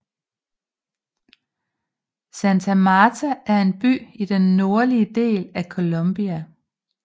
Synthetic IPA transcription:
sænt͡sʰæmɑːt͡sʰæʔæɐe̝nb̥y̰ːid̥enːo̝ɐliəd̥e̝̰ːlækʰo̝lomb̥iæ

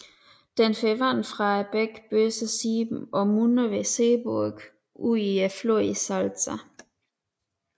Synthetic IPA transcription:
d̥enfeʋanfʁɑ̈æb̥eɡ̥b̥øsəsiːb̥m̩ɒ̽munəʋeseːbuɐɡ̥ | ʔuiæfloɐisalt͡sæ

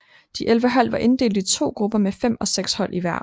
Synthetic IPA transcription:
d̥iʔelʋəɦæl̰ʋɑ̈ʔe̝nd̥e̝̰ːld̥it͡sʰo̝̰ːɡ̥ʁub̥ɐmefem̰ɒ̽seɡ̥shɒ̽l̰ʔiʋæɐ̰

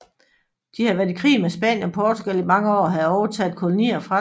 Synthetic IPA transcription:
d̥ihɑʋæɐikʰʁḭːmesb̥ɛ̰ːnjənɒpʰɒːt͡sʰuɡ̥ælimɑ̈ŋəɒ̰ːɦæðˠɒʊɐt͡sʰɛð̩ˠkʰo̝lo̝nḭːɐfʁɑ̈

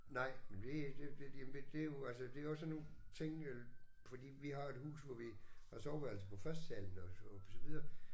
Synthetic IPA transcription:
nɑ̈ɪ̰mend̥e̝d̥ed̥ejemnd̥ed̥e̝jo̝ælsəd̥e̝æɒ̽sːɒnːo̝t͡sʰe̝ŋ̰el | fɒd̥ḭːʋiɦɑ̈e̝d̥hṵːsʋɒʋihɑ̈sɒʊb̥æl̩səpʰɒ̽fɶɐsd̥sæl̰n̩ɒɒsɒ̽ʋið̞ˠɐː

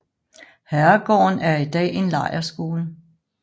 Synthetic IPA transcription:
hæɐɡ̥ɒ̰ːnæɐid̥ɛ̰ːe̝nlɑ̈ɪ̰ɐsɡ̥o̝ːlə

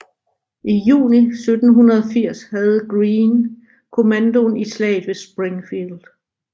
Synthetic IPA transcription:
ʔijṵːnisød̥n̩ɦunɐð̞ˠɒfiɐ̰shæð̞̩ˠɡ̥ʁiːn | kʰo̝mænd̥o̝nislɛ̰ːɪðˠʋe̝sb̥ʁeŋfild̥

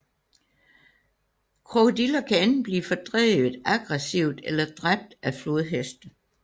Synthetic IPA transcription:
kʰʁod̥ilɐkʰæenn̩b̥liːfɒd̥ʁɛ̰ːʋð̩ˠæɡ̥ʁɛsiʊ̰d̥elɐd̥ʁab̥̚d̥æfloðˠɦesd̥

